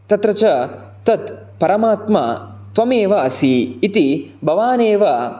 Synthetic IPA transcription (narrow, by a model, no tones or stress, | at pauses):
t̪ɐt̪ɾɐt͡ʃɐ | t̪ɐt̪ | pɐɾɐmaːt̪mɐ̰ | t̪ʋɐmeːʋɐɐsiːt̪ibʱɐʋaːneːʋɐ